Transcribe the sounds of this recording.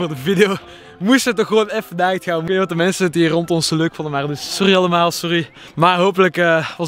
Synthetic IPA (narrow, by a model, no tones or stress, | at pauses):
oːrdəvidejoː | mustətnɔxəʋoːnɛfənaːɣtxaːnmnʋɔtəmɛnsətirɔntɔnsoløːkfɔndənmaːrdəssɔriɑləmaːlˠsɔri | maːrɦoːpələkəʋɑ